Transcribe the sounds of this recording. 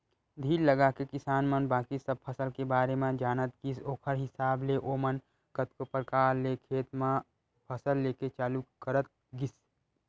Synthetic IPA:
d̪ʱiːɾləɡakekɪsaːnmənbaːkisəb̚pʰəsəlkebaːɾemẽd͡ʒaːnət̪kisoːkʰəɾɦɪsaːbleʔoːmən | kət̪kopəɾkaːɾlekʰeːt̪mã | pʰəsəlːeːket͡ʃaːlukəɾət̪̚ | ɡis

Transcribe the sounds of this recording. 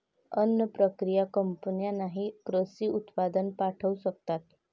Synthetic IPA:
ənːəpɾəkɾijakəmpənijanaɦikɾəsiːut̪pad̪ənpaʈʰəusəkt̪at̪

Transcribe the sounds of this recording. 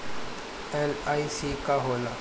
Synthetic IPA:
elaisikaɦola̰

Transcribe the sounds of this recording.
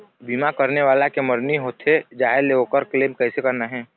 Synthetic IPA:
biːmakəɾneʋaːlakeməɾniɦoːt̪ɦed͡ʒaːɦeleoːkəɾkleːmkɛːsekəɾnaɦɛ̃ː

